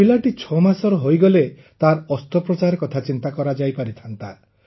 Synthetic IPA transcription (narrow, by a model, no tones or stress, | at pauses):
ilaʈit͡ʃʰɔmasɔɾɔɦojɡɔle | t̪aɾɔst̪ɔpɾɔt͡ʃaɾekɔt̪ʰat͡ʃint̪akɔɾad͡ʒajpaɾit̪ʰant̪a̰